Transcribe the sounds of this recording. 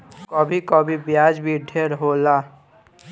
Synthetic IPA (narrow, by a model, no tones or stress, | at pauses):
kɔbʱikɔbʱibjaːd͡ʒbʱiɖʱeɾɦoːla